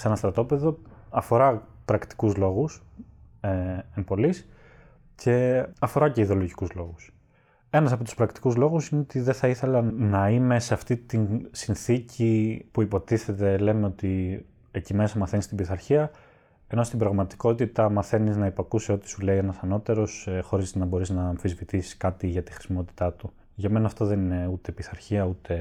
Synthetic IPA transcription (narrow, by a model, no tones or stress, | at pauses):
senɐst̪ɾɐt̪o̞pe̞ðo̞ɐfo̞ɾɐpɾɐkt̪i̥kuzlo̞ɣus | eempo̞lis | cʰe̞ɐfo̞ɾɐce̞iðeloʝikuzlo̞ɣus | e̞nɐsɐpot̪u̥spɾɐkt̪i̥kuzlo̞ɣusineot̪iðeθɐiθe̞lɐnɐime̞seɐft̪it̪insinθicipuipo̞t̪iθe̞t̪e̞le̞me̞o̞t̪i | ecime̞sɐmɐθenist̪ibiθɐɾçiɐ | e̞no̞st̪ibɾɐɣmɐt̪i̥ko̞t̪it̪ɐmɐθe̞niznɐipɐkuseo̞t̪i̥sule̞ienɐsɐno̞t̪e̞ɾo̞sxo̞ɾiznɐbo̞ɾiznɐːmfizvit̪isi̥skɐt̪iʝɐt̪ixɾi̥simo̞t̪i̥t̪ɐt̪u | ʝɐme̞nɐːft̪o̞ðe̞nine̞ut̪e̞piθɐɾçiɐut̪ʰe̞